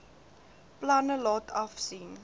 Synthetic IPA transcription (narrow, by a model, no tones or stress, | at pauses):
plɐnəlɑːtʰɐfsin